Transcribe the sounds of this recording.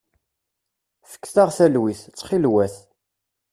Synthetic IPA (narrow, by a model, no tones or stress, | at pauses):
fə̥kːθaʁθælwiθt͡sːχilwæθ